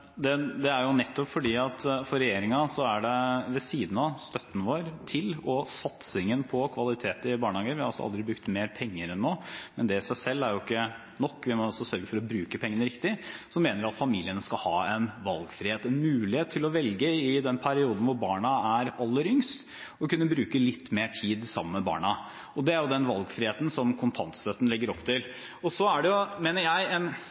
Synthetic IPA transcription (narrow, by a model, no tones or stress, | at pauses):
d̪ɛd̪ɛæɾjʊnɛt̪ːɔpfɔɖiːɑt̪ʰfɔɾɛjeːɾɪŋɑsɔæɖɛʋɛsiːd̪n̩ɑst̪œt̪ːənəʋoːɾt̪ʰɪlɔsɑt̪sɪŋənpʰɔkʰʋɑlɪt̪ʰeːt̪əɪbɑːɳhɑːɡəʋɪhɑɾɑlsɔ̰ɑ̰ld̪ɾɪbɾʉkt̪meːɾpʰɛŋːəɾɛnːoːmɛnd̪ɛsæɪsɛlːæɾjʊɪkːə | nɔkːʋɪmɔɔsɔsœɾɡəfɔɾɔbɾʉːkəpʰɛŋːənəɾɪkt̪ɪsɔmeːnəɾɑt̪fɑmiːlɪənəskɑlhɑːɛnʋɑlɡfɾɪheːt̪ɛnmʉːlɪheːt̪ʰːɪlɔʋɛlɡəɪd̪ɛnpʰæɾɪuːd̪n̩ʋʊɾbɑːɳɑæɾɑlːəɾʏŋst̪ | ɔkʉnːəbɾʉːkəlɪt̪ːmeːʈʰiːd̪sɑmːənmɛbɑ̰ːɳɑ | ɔd̪ɛæɾjʊd̪ɛnʋɑlɡfɾɪheːt̪n̩sɔmkʰʊnt̪ʰɑnt̪sɛt̪ːən̩lɪɡːəɾɔpːt̪ʰɪl | ɔsɔæɖɛjʊmeːnəɾjæɪɛn